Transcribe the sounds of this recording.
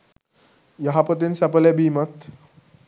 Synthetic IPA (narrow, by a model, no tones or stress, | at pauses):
jəɦapət̪insapəlebimət̪